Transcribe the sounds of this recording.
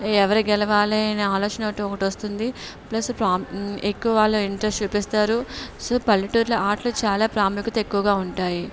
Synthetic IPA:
ɛʋɐɾiɡɛlɐʋaːliɐnɐaːloːt͡ʃɐnɐʈːuɔkɐʈiʋost̪und̪i | plɐspɾaːekːuʋɐʋaːɭːuiɳʈɾɐst͡ʃuːpist̪aːɾusoːpɐlːiʈuːɾlɐʔaːɾʈlut͡ʃaːlaːpɾaːmikɐt̪e̞kːuʋɐɡaːuɳʈaːji

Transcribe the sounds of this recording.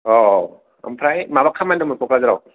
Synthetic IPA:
ɔ | ɐ̰mpʰɾajmabakʰːamandɯmɯkɔkazaɾaw

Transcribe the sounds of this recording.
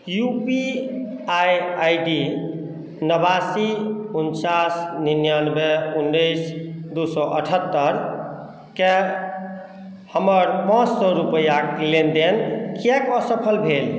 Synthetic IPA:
jupi | ajajɖi | nəbasiunt͡ʃasninjanbeunːəɪsd̪usɔʔəʈʰət̪ːəɾ | ke | həməɾpãt͡ʃsɔɾupəjaklend̪enkekɔsəpʰəlbʱel

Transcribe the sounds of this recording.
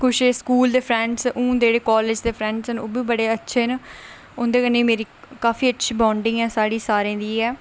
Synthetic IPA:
kʰʊʃeskuːld̪eːpʰɾɛ̃ːɳɖsʔũːd̪eːɽeːkɔːled͡ʒd̪eːpʰɾɛ̃ːɳɖsənoːbiːbəɽeːətːʃʰeːn | ond̪eːkənːeːmeːɾiːkaːfʰiːətːʃʰiːbãːɳɖɪ̃ːɛːsaːɽiːsaːɾẽːd̪iːɛː

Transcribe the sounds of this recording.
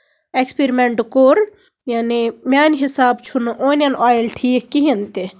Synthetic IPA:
ekspiɾimeɳʈkoːɾ | jaːnimʲaːnʲɦisaːbt͡ʃʰunʔoːnʲɐnʔɔːjilʈʰiːkiɦint̪i

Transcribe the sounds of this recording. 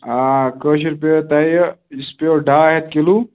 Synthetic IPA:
akəʃiɾpeot̪aːjispeoɖaːɦet̪kelu

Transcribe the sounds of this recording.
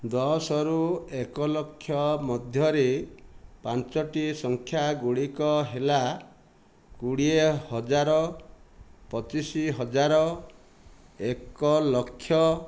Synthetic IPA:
d̪ɔɦɔsɔɾuekɔlɔkʰːjɔmɔd̪ʱjɔɾe | pant͡ʃɔʈisɔŋkʰjaɡuɽikɔɦela | kuɽiehɔd͡ʒaɾɔ | pɔt͡ʃisiɦɔd͡ʒaɾɔ | ekɔlɔkʰːjɔ

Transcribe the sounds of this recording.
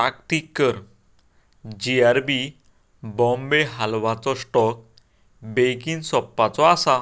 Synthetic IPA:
akʈikːəɾ | d͡ʑiaɾbi | bɔ̃mbeɦalʋat͡sɔsʈɔk̚ | bejkĩŋsɔpːat͡sɔasa

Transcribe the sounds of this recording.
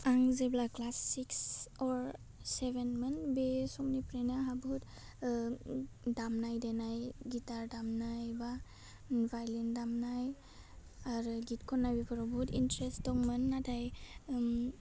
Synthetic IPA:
aŋzeblaklasːiksɔɾ | sebenmɯnbesɔmnipɾejnaɦabut | damnajdenajɡitaɾdamnajba | bʱajlindamnaj | aɾɯɡitkʰɔnːajbikʰɔɾɔbutḭntɾesttɔŋmɯnːatʰaj

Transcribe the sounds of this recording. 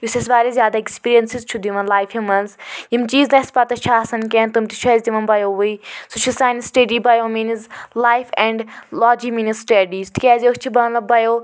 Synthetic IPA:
jusɐsʋaːɾʲezʲjaːd̪aekspiːɾijɐnsizt͡ʃʰud̪iʋɐnlaːjfimɐnzjimt͡ʃiːznɐspat̪ɐt͡ʃʰaːsɐnkʲeːnt̪umt̪i̥t͡ʃʰuzʲd̪iʋɐnbɐjoːʋuisut͡ʃʰisaːjnisʈɐɖiːbɐjoːmiːnizlaːjfɛ̃ɳɖlaːd͡ʒimiːnizsʈɐɖiːst̪ʰi̥kʲɛːzʲot͡ʃʰibɐnlɐbɐjoː

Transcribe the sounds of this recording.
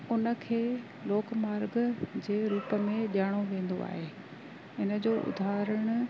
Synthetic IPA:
ʊnə̆kʰeː | loːkmaːɾɡd͡ʑeːɾuːpə̆mẽʄaːɽ̃oʋẽːnd̪o̰a̰ːɦeː | ɪnəd͡ʑoːʔʊ̰d̪ʱaːɾəɽ̃ʊ̆

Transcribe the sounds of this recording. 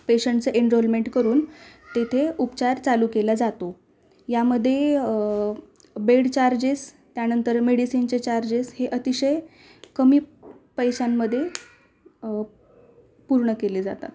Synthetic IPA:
peɕəɳʈt͡səʔeɳɾolmeɳʈkəɾuːnt̪et̪ʰeupt͡ɕaɾt͡saluːkelad͡zat̪o | jaməd̪ʱːje | beɽt͡ɕaɾd͡ʑes | t̪janənt̪əɾmeɽisint͡set͡ɕaɾd͡ʑesheʔət̪iɕəj | kəmiːpəjɕamːəd̪ʱːje | puɾɳəkeled͡za̰t̪a̰t̪

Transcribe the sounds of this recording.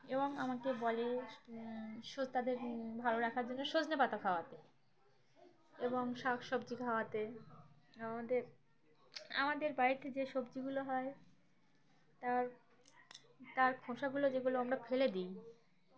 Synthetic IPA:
eboŋamakebɔle | ʃot̪ad̪eɾbʱaloɾakʰaɾd͡ʑonːoʃod͡ʑnepat̪akʰaoat̪e | eboŋʃakʃɔbd͡ʑikʰaoat̪e | amad̪eɾ | a̰mad̪eɾbait̪ʰed͡ʑeʃobd͡ʑiɡuloɦɔe | t̪aɾ | t̪aɾkʰoʃaɡulod͡ʑeɡuloamɾafʰeled̪ij

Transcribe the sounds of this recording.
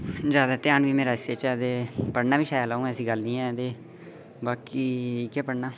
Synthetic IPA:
d͡ʒjaːd̪aːt̪ɪjaːnʋiːmeːɾaːɪseːt͡ʃɛːd̪eːpəɽnaːʋiːʃaːjəlaːũːɛ̃ːsĩːɡəlnĩːɛ̃ːd̪eː | baːkiːiːkɛːpəɽnaː

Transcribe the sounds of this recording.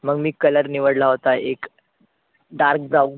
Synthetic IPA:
məɡmiːkələɾniʋəɽlaɦot̪aek | ɖaɾk̚d͡za

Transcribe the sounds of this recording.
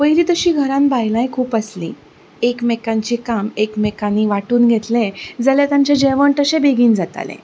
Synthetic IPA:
ʋəjɾiːt̪əɕiːɡʱəɾãnbajlajkʰuːpəslḭː | ekmekãɲt͡ɕikamekmekaniʋaʈuːnɡʱet̪lẽd͡zəljat̪jãɲt͡ɕad͡ʑeʋəɳt̪əɕẽbeɡiːnd͡zat̪a̰lḛ̃

